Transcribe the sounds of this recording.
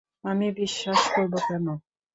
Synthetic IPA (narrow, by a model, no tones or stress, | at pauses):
amibiʃːaʃkoɾbokɛno